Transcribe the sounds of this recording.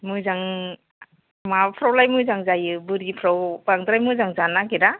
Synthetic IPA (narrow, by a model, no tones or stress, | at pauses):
mujzaŋ | mapʰɾawlajmujzaŋzajɯbɯɾɡipʰɾawpaŋd̪ɯɾajmujzaŋzanakiɾa